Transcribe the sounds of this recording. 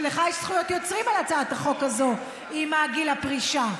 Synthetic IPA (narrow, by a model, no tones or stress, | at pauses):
leχajeʃsχujo̞t̪jo̞t͡sʁimalat͡saat̪aχo̞kazo̞ | imaːɡilapʁiʃa